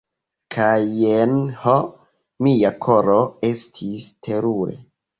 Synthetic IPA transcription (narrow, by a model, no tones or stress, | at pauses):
kʰajenho | miakʰo̞ɾoestʰistʰe̞ɾuḛ